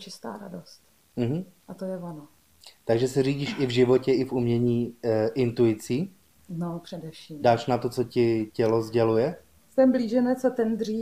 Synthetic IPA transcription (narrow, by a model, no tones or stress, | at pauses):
t͡ʃɪst̪a̰ːɾa̰dost̪ | m̩ɦm̩ | ʔat̪ojɛvano | t̪aɡʒɛsɛriːɟiːʃʔɪvʒɪvo̞cɛɪfumɲɛɲiːʔɪnt̪uɪt͡siː | nopr̥ɛdɛfʃiːmdaːʃnat̪o̞t͡so̞cɪcɛlozɟɛlujɛ | st̪ɛmbliːʒɛnɛt͡sat̪ɛnd̪r̝iː